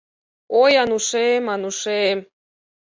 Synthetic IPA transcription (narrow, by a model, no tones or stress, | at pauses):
ojɑnuʃemɑnuʃem